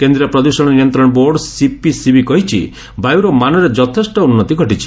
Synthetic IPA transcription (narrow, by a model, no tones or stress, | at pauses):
kend̪ɾiɾɔpɾɔd̪uɾsɔɽ̃ɔnijɔnt̪ɾɔɽ̃ɔboɾɖsipisibikɔɦit͡ʃʰḭ | bajuɾɔmanɔɾed͡ʒɔt̪ʰesʈɔunːɔt̪iɡʱɔʈit͡ʃʰi̥